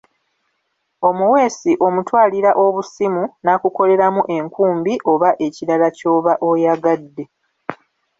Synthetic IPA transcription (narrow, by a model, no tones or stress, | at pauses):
o̞muwe̞ːsiʔo̞mutwaːliɾaʔo̞βusimunakuko̞le̞ɾamuʔe̞ŋkuːmbiʔo̞βaʔe̞ciɾalaco̞ːβaʔo̞jaɡadːe̞